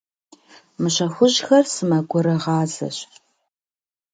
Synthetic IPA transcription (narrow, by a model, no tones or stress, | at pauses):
mɨɕɐxʷʊʑxɐrsɨmɐɡʷʊɾɨʁɑːzɐ̰ɕ